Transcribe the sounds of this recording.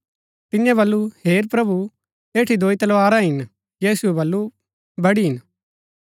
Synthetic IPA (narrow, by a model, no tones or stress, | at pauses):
t̪ɪjãbɐlːuheːɾpɾɐbu | eːʈʰid̪oːit̪ɐlʋaːɾaɦɪn | jiːsuɛbɐlːu | bɐɽiɦɪn